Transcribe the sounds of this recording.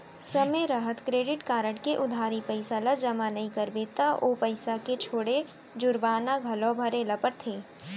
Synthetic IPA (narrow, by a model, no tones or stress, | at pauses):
sɐmeɾəɦət̪kɾeːɖɪʈkaːɾəɽkeʔʊd̪ʱaːɾipɐɪsaləd͡ʒɐmanɐɦĩkɐɾbet̪aʔoːpɐɪsaket͡ʃʰoːɽe | d͡ʒʊɾbaːnaɡʱɐlõbʱɐɾelɐpəɾt̪ʰeː